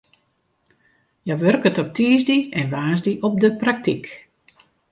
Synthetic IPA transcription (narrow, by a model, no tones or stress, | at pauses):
jaʋørkətɔp̚tʰiːzdiɛnʋaːzdiʔɔp̚dəprak̚tik